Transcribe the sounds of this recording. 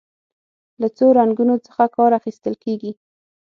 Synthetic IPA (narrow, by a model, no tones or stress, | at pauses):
lat͡soɾaŋɡunot͡sə̥xakɑɾaxist̪əlkeɡi